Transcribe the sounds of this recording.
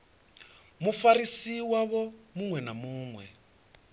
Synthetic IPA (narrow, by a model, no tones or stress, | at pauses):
mufaɾisiwaβɔmuŋwɛnamuːŋwɛ̰